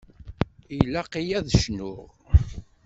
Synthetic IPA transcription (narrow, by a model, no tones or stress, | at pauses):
ilæqijæðʃnʊʁ